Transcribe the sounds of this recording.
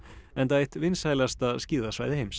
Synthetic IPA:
ɛnt̪aːjht̪vɪnshaːjlast̪aðsciːðasva̰jðɪhejms

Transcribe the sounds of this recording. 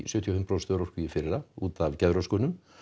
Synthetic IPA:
sʏːt̪ʰiahɪmpɾaːwst̪œːɾɔr̥kʏifɪɾɪɾauːt̪avcɛðɾɔskɔːnʏm

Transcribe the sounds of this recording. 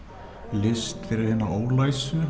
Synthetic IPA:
lɪst̪fɪɾɪɾhɪnːaoːwlaːjsʏ

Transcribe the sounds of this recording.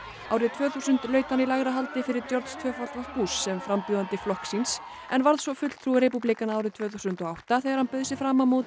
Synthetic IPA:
aːwɾɪðt̪ʰvœːθusʏnt̪lœːɥt̪hanilaɣɾaɦalt̪ɪfɪɾɪɾt̪jɔɾt̪st̪ʰvœːfalt̪vapuːsːɛmfɾampjuðant̪ɪflɔhksins | ɛnvaɾðsvɔfʏt̪l̥t̪ʰɾuɾepuplikanaawɾɪðt̪ʰvœːθusʏnt̪ɔawht̪aθeːɣaɾhanpœɥðsɪfɾaːmamut̪

